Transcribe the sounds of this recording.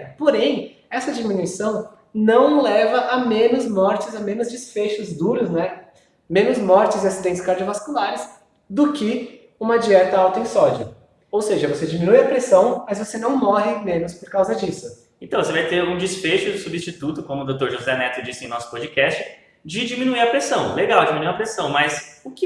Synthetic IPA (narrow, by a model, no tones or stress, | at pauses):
poɾẽj̃ | ɛsɐd͡ʒimĩnuisɐ̃w̃ | nɐ̃w̃lɛvɐʔɐmẽnʊzmɔɾt͡ʃɪzɐmẽnʊzd͡ʒisfeʃʊzd̪uɾʊznɛ | mẽnʊzmɔɾt͡ʃɪzasid̪ẽnt͡ʃɪ̥skaɾd͡ʒiovaskulaɾɪs | d̪ʊkɪ | ũmɐd͡ʒiɛt̪ɐawt̪ɐẽj̃sɔd͡ʒɐ | owseʒɐvosed͡ʒiminujɐpɾesɐ̃w̃mɐzvosenɐ̃w̃mɔɦɪmẽnʊspoɾkawzɐd͡ʒisʊ̥ | ẽt̪ɐ̃w̃vosevajt̪eɾũd͡ʒisfeʃʊd̪ʊsubist͡ʃit̪ut̪ʊkõmʊd̪owt̪oɾʒuzɛnɛt̪ʊd͡ʒisɪẽj̃nɔsʊ̥pɔd͡ʒikɛst͡ʃɪ | d͡ʒɪd͡ʒimĩnuiɾɐpɾesɐ̃w̃leɡawd͡ʒiminuiɐpɾesɐ̃w̃mɐsʊkɪ